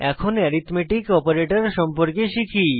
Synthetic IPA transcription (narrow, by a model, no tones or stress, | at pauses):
ɛkʰonɛɾit̪meʈikɔpaɾeʈaɾʃɔmpoɾkeʃikʰi